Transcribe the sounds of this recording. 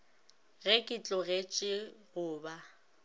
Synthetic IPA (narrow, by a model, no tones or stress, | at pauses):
ɣɛkʼɪt͡ɬʼɔɣet͡ʃʼɪɣʊːba